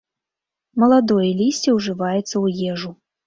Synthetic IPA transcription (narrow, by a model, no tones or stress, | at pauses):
mɐlˠad̪ɔjɐlʲisʲt͡sʲiwʐɨvajɛt̪sːɐwjɛʐu